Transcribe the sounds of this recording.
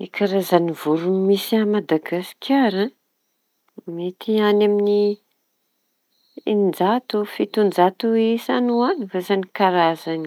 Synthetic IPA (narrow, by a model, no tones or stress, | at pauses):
ekʰaɾazanivuɾunimisamad̪aɡasi̥kʰʲaɾã | met̪ianamini | innd͡zat̪ufit̪und͡ʒat̪uisanuanivazanikaɾazani